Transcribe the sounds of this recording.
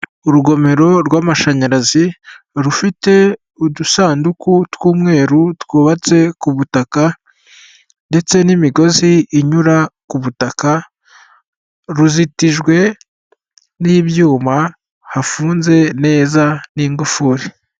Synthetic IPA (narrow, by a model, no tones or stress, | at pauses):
uɾuɡo̞me̞ɾo̞ɾɡwaːmaʃaɲaɾazi | ɾufite̞ | udusaːndukutwuːmŋe̞ːɾutwoːβat͡se̞kuβutaka | nde̞t͡se̞nimiɡo̞ziːɲuɾakuβutaka | ɾuzitiʒɡwe̞ | niːβjuːma | hafuːnze̞ne̞ːzaniːŋɡufuɾi